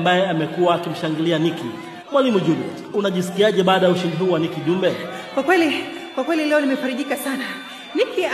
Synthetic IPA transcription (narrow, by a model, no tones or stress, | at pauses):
mbajɛamɛkuwaːkim̩ʃaŋɡilianikḭ | mwalimuʄulutunaʄisi̥kiaʄɛɓaːɗajauʃindiɦhuːwanikiʄumbɛ | kwakwɛli | kwakwɛlilɛɔnimɛfaɾiʄikasana | niki